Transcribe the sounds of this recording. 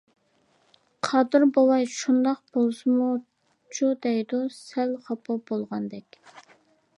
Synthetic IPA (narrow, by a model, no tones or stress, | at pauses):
qʰɑd̪ɨɾbowˠɑjʃund̪ɑq̚b̥olˠsɨmu | t͡ʃʰud̪ɛjd̪usælχɑpʰɑbolˠʁɑnd̪ɛkʲ